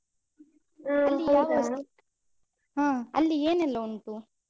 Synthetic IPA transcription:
ɐːiaːɡɐ | ɦãːɐ̰lːieːnɛlːɐunt̪u

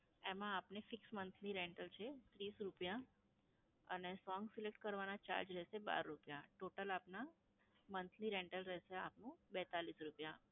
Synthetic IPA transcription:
emãːpnefɪksmənt̪ʰliɾeɳʈəlt͡ʃʰet̪ɾisɾupja | ənesɔŋɡsilek̚ʈkəɾʋanat͡ʃa̰ɾd͡ʒɾɛʃeba̰ɾːupja̰ʈoʈəlapna | mənt̪ʰliɾeɳʈəlɾɛʃea̰pnũbɛt̪alisɾupja

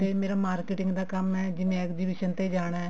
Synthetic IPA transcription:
eːmeːɾaːmaːɾkeːʈɪŋɡd̪aːkəmɛːd͡ʒɪnẽɛːkd͡ʒiːbiːʃənt̪eːd͡ʒaːɽ̃aːɛ

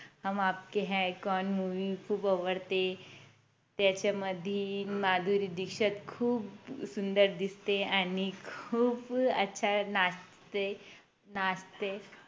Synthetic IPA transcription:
ɦamap̚keɦɛkɔnmuʋikʰuːpəʋəɽt̪e | t̪jat͡ɕaməd̪ʱimad̪ʱuɾid̪ikʂət̪kʰuːpsund̪əɾd̪ist̪eaɽ̃ikʰuːbətːɕʰana | t̪e | nast̪e

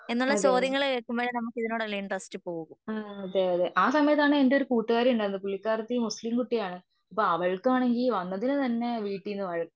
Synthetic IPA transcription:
e̞nːuɭːɐt͡ɕoːðjɐŋːɐɭkeːɭkːumboːɻenɐmːukːiðino̞ːɽɐliːɳʈrɐstɨpoːɣɣumaːɐðeːɐðeʔaːsɐmɐjɐt̪̬ːaːɳɨendeoɾukuːʈːuɣaːɾiuɳɖɐnd̪ɨp̬uɭːikːaːɾɐt̪ːimuslimkuʈːijaːɳɨ | ɐpːoːɐʋɐɭkːɨaːɳe̞ŋɡilʋɐnːɐðinɨt̪ɐnːe̞ʋiːʈːinːɨʋɐɻɐkː

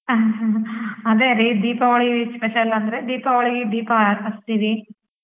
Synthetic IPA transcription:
ɐd̪eːɾid̪iːpɐʋɐɭispɛʃɐlɐnd̪ɐɾed̪iːpɐʋɐɭiɡid̪iːpɐɐst̪iʋi

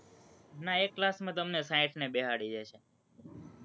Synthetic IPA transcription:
naekːlasmãt̪əmnesaiʈʰnebeɦaɽid͡ʒaʃʰe

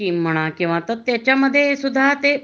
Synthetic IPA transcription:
im̤əɽ̃akĩw̃ʋãt̪ət̪ːjat͡ɕaməd̪ʱːjesud̪ʱːat̪e

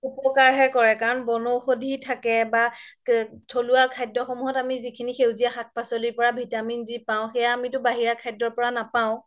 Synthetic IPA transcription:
upɔkaɹɦɛkɔɹɛkaɹɔnbɔnowxodʱitʰakɛba | tʰoluakʰajdɔxɔmuɦɔtamizikʰinixewzijaxak̚pasɔlipɔɹabʱitaminzipaʊ̃xɛjaːmitʊbaɦiɹakʰajdɹɔɹpɔɹanapaʊ̃

